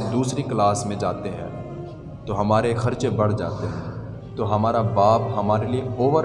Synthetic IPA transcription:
d̪uːsɾiklaːsmẽd͡ʒaːt̪eɦɛ̰̃ː | t̪oɦɐmaːɾexɐɾt͡ʃebɐɽ̤d͡ʒa̰ːt̪eɦɛ̃ː | t̪oɦɐmaːɾabaːpɦɐmaːɾelieoːʋəɾ

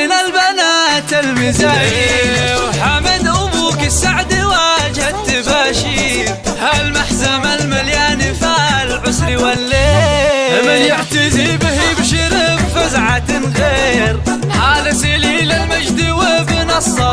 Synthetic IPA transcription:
ɪnalbanaːt̪almɪzajwħamɪd̪ʔʊbuːkɪsaʕd̪iwad͡ʒat̪ːɪbaːʃi | halmaħzamalmaljaːnifalʕʊsɾiwalːe | mɪjaħt̪ɪzibhibʃɪɾɪbfɪzʕat̪ɪnɣeːɾ | ħaːlɪsililɪlmad͡ʒd̪iwɪbɪnɑsˤːɑ

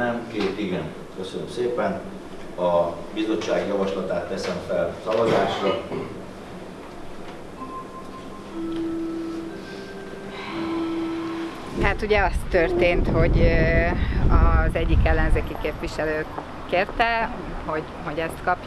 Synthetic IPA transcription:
ɛmkeːt̪iɡɛn | køsønømseːpɛn | ɒbizo̞t͡ʃːaːɡjɒvɒʃlɒt̪aːt̪ːɛsɛɱfɛlsɒvɒzaːʃrɒ | haːt̪uɟɛɒst̪ːørt̪eːnt̪ho̞ɟ | ɒzɛɟːikɛlːɛnzeːkikeːpʋiʃɛløː | keːrt̪ɛ | ho̞ɟ | ɦo̞ɟɛst̪kɒpj

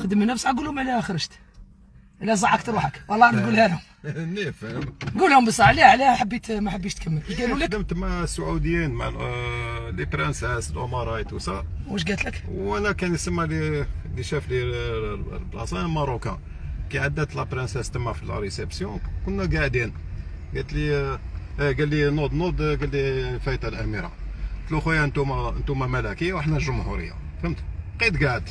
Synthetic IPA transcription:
xd̪əmənːæfsʕæɡulhʊmʕliæxɾˤəʒt̪ | ʔəlːæzˤɑʕːəkt̪ɾuħəkwɑlˤːɑʔænɡulhælhʊm | nifmɡulhʊmbəsˤɑʕliʕliħəbːit̪mæħəbːiʃt̪kʰæmːəlæʃɡælulədəmt̪masːuʕawd̪əjinma̰ʕl | lipɾənshæsəlʔʊmɑɾˤɑjt̪usæwæʃɡæt̪ləkwʔænækænjsəmːaliliʃæfli | lblɑ̰sæmɑɾˤukæ̰̃ | kiʕad̪ːæt̪læpɾənsæst̪əmːæfil̰ɾesebsjɔ̃kʊnːæɡaʕd̪in | ɡæt̪li | ɡælːinod̪nod̪ɡælːifæit̪ˤɑlʔæmiɾɑ̰t̪luxujænt̪umænt̪umæmælækəjːawəħnælʒʊmhṵɾə̰jːa̰ | fəmt̪qit̪ɡaʕd̪

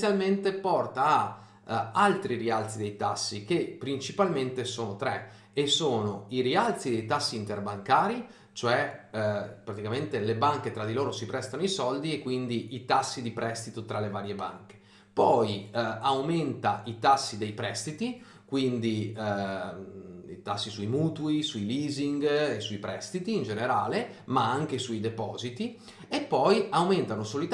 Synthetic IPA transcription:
sjalment̪epɔrt̪aː | alt̪ɾirialt̪sid̪ejt̪asːikepːɾint͡ʃipalment̪esoːnot̪ɾɛ | esoːnoiɾialt̪sid̪ejt̪asːiːnt̪erbaŋkaːɾi | t͡ʃoɛ | pɾat̪ikament̪elebaŋket̪ɾad̪iloːɾosipɾɛst̪anoisɔld̪iekːwind̪iʔit̪asːid̪ipɾʔɛst̪it̪ot̪ɾalevaːɾjeba̰ŋke̥ | pɔjawment̪ait̪asːid̪ejpɾɛst̪it̪i | kwind̪i | ḭt̪asːisuimuːt̪uisuiliːziŋɡesːuipɾɛst̪it̪iːnd͡ʒeneɾaːle | maaŋkesuid̪epɔːzit̪i | epːɔjawment̪anosoːloit̪

